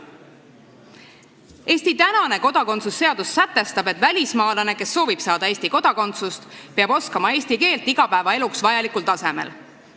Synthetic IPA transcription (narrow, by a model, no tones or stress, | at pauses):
e̞ːsʲt̪it̪ænɑne̞ko̞d̪̥ɑko̞nt̪susːe̞ɑd̪̥usːæt̪ːe̞st̪ɑbe̞t̪ːˑvælʲismɑːlɑne̞ke̞sːo̞ːvib̥sɑːd̪ɑe̞ːsʲt̪iko̞d̪̥ɑko̞nt̪sust̪peɑbo̞skɑmɑe̞ːsʲt̪ike̞ːlt̪iɡ̥ɑpæevɑe̞luksvɑjɑlikult̪ɑse̞mḛl